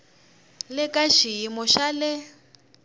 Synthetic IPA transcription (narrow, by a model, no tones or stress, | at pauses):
lɪkʼaʃijimɔʃalɪ